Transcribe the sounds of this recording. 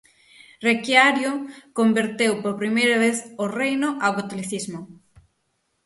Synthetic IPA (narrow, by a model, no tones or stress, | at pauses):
rekjaɾjokombeɾt̪ewpoɾpɾimejɾɐβ̞eθorejnʊʔawkat̪oliθizmo